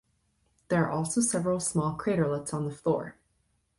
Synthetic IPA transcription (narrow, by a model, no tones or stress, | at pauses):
ðə˞ːʔɔlˠsoʊsɛvɹl̩ˠsmɔlˠkʰɹ̥eɪɾə˞lɪtsn̩ðəflɔ̰ɹ